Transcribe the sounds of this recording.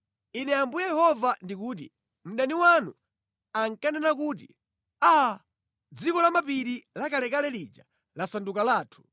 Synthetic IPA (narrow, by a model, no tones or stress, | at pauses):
inɛambujajɛhɔvandik̬uːt̬ḭ | m̩ɗaniwanu | aŋkanɛnakuːt̬ḭ | a | d͡zikɔlamapiɾilakalɛkalɛlid͡ʒa | lasandukalaːtʰu̥